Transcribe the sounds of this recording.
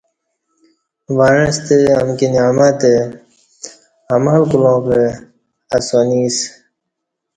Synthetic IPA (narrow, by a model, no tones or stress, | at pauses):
ʋaːɻẽst̪eɐmkinaːmaːt̪e | ɐmalkulõːpe | ɐsoːniːs